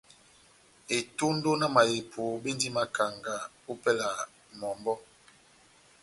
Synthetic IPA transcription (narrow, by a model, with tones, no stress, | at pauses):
e˨to˦ndo˦na˦ma˨je˨pʰo˨˦be˦ndi˦ma˨ka˨ŋɡa˨ | u˦pɛ˦la˨ | mɔ˨mbɔ˦